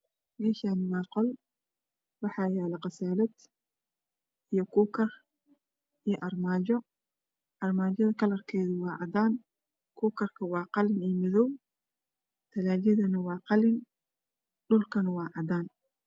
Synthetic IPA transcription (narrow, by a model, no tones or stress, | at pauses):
mɛːʃaːnɪwɑːqɔl | wɑħɑːjaːlɐqɑsaːlɐd̪ | ʔijɔkʰuːkʰɐr | ijɔʔɐrmaːt͡ʃɔ | ʔɐrmaːt͡ʃɐðɐkʰɐlɐrkʰɛːðʊwɑːʕɑd̪aːn | kʰuːkʰɐrkʰɐwɑːqɑlɪnɛːmɪðɔw | t̪ʰɐlaːljɐðɐnɐwɑːqɑlɪn | ɖʊlkʰɐnɐwɑːʕɑd̪aːn